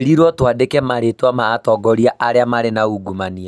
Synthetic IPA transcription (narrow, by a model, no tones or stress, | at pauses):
ɾiɾwɔtwadekɛmaɾetwamaːtɔɡɔɾiaʔaɾeamaɾenauɡumania